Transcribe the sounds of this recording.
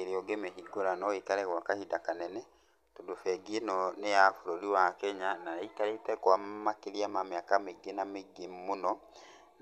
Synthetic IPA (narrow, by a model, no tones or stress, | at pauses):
eɾeɔɡemeɦiɡoɾanɔekaɾɛɣwakahidakanɛnɛ | todofɛɡienɔnejafoɾoɾiwakɛɲanaaitaɾetɛkwammakeɾiamameakameɡenameɡemmonɔ